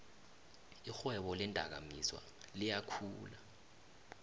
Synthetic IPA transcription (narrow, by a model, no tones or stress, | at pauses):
ixwɛɓɔlɛndʱʼak̬a̰miswa̰ | lijakʰuːla